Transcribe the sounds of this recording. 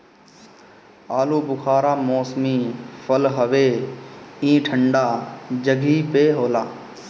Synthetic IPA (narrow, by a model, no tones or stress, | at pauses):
aːluːbʊkʰaːɾaːmoːsmiːfʰəlɦəʋeː | ĩːʈʰəɳɖaːd͡ʒəɡʱiːpeːɦoːlaː